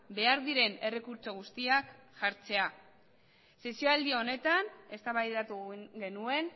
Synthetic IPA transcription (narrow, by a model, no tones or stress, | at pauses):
be̞aɾðiɾe̞ne̞re̞kuɾt͡so̞ɣ̞ust̪iakʝaɾt͡se̞a | se̞sioald̪io̞ne̞t̪ane̞st̪aβajat̪uɣe̞nue̞n